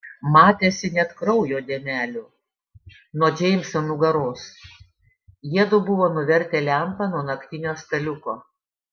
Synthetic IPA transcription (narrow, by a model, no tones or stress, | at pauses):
mɑːt̪ʲeːsʲɪnʲɛt̪kɾɒʊjoːd̪ʲeɛmʲæːlʲʊː | noɔd͡ʒʲɛɪmʲsʲɐnuɡɐɾoːs | jiɛd̪ʊbʊʋoːnʊʋʲɛɾʲt̪ʲɛːlʲæˑmpɐnuɔnɐkʲt̪ʲɪnʲoːst̪ɐlʲʊkoː